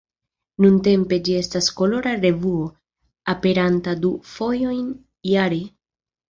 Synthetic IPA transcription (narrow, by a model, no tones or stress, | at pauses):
nunte̞mpe̞d͡ʒie̞stasko̞lo̞ɾaɾe̞vuo̞ | ape̞ɾantadufo̞jo̞jn | jaɾe